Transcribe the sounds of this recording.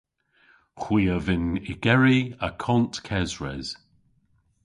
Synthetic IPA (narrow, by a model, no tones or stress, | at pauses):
xwiːəvɪnɪɡ̥ɛɹiəkʰɔntkʰɛzɹɛ̰z̥